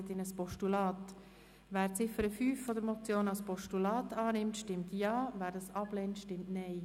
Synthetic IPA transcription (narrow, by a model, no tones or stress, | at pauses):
ətɪnəspɔʃtulɑːt | væːɾt͡sɪfəɾəfyːfːɔdəɾmɔt͡sjoːnɑlspɔʃtulɑːtɑːnɪmtʃtɪmtjɑːvæːɾdɑsɑbleːntʃtɪmtnɛɪ